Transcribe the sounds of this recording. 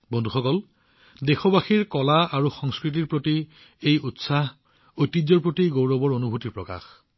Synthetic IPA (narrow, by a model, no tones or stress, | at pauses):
bɔndʱuxɔkɔl | dexɔbaxiɹkɔlaaɹuxɔŋskɹit̬iɹpɹoti | ejutsaɦ | ojtːid͡ʒzːɔɹpɹotiɡowɹɔbɔɹonubʱutiɹpɹɔka̰x